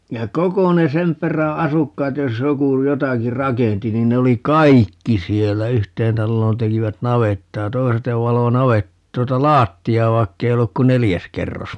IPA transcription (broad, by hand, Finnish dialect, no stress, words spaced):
jɑ koko ne sem pˑeræ ɑsukːɑːt jos joku jotɑki rɑkenti nin ne oli kɑikːi sielːæ yhteːn tɑlːoːn tekiʋæt nɑʋetːɑː toi̯set ne ʋɑlo nɑʋet tuotɑ lɑːtːiɑː ʋɑikːei olːuk ku nelijæs kerːos